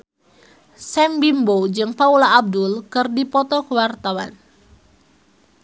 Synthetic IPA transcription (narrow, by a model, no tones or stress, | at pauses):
sɛmbimbod͡ʒɨŋpaulaːb̚dulkɨrdipɔt̪ɔkəwart̪awan